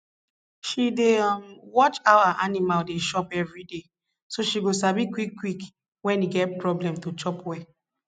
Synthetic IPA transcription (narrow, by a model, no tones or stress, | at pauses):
ʃidemwɔt͡ʃaʊaʔanimaldeʃɔpɛvɹide | soʃiɡosabikwikːwik | wɛ̃niɡɛt̚pɹɔblɛ̃mtut͡ʃɔpwɛ